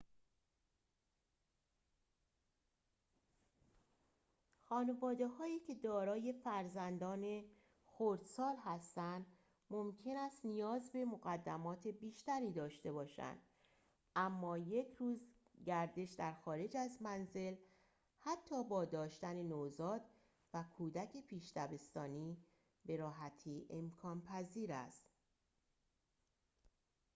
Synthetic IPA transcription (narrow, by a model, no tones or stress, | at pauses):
xɒːnevɒːd̪e̞hɒːiːcʰe̞d̪ɒːɾɒːje̞fæɾzænd̪ɒːne̞ | xoɾd̪sɒːlɦæst̪ænd̪ | momcʰe̞næst̪nijɒːzbe̞moɣæd̪ːæmɒːt̪ʰe̞biːʃt̪æɾiːd̪ɒːʃt̪e̞bɒːʃæ̰nd̪̥ | æmːɒːje̞cʰɾuːz | ɟæɾd̪e̞ʃd̪æɾxɒːɾe̞d͡ʒæzmænze̞l | hæt̪ʰːɒːbɒːd̪ɒːʃt̪æne̞nozɒːd̪ | vækʰuːd̪æcʰe̞pʰiːʃt̪æbe̞st̪ɒːniː | be̞ɾɒːɦæt̪ʰiːʔe̞mkʰɒːnpʰæziːɾæ̰st̪